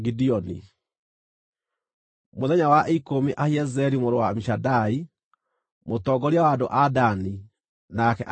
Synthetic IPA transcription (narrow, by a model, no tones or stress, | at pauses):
ɡidiɔnḭ | moðɛɲawaʔikomiʔahjɛzɛɾimoɾowamiʃadai | motɔɡɔɾjawadoʔadani | nakɛʔ